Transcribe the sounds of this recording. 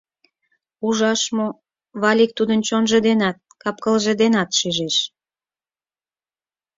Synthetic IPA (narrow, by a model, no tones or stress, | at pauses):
uʒɑʃmo | βɑlʲik̚t̪ud̪ənt͡ɕonʒə̆d̪enɑt̪̚kɑp̚kəlʒĕd̪enɑt̪ʃyʒeʃ